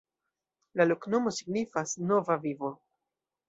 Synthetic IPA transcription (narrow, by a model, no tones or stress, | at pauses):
lalokno̞mo̞siɡnifasno̞vavivo̞